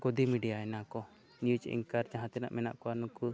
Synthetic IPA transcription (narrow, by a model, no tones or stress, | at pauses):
kɔd̪imiɖijaɛnakɔ | nijud͡ʒḭŋkaɾd͡ʒãɦãt̪ɛna̰ʔmɛna̰ʔkɔanuku